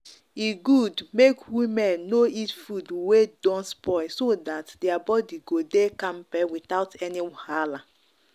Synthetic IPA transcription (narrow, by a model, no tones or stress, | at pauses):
iɡudmekwimɛ̃nːoitfudwedɔ̃nspɔɪsodatdɛabɔdiɡodekãmpɛwiθaʊtʰɛnihala